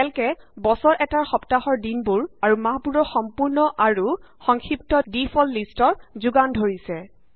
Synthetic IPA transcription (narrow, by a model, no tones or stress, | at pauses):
ɛlkɛbɔsɔɹʔɛtaɹxɔptahɔɹdinbuɹaɹumaɦbuɹɔxɔmpuɹnɔʔaɹu | xɔŋxʰiptɔdipʰɔlːistɔɹzuɡandʱoɹisɛ